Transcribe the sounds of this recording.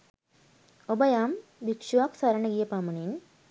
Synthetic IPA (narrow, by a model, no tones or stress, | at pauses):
obəjambikʂuʋaksaɾəɳəɡijəpamunin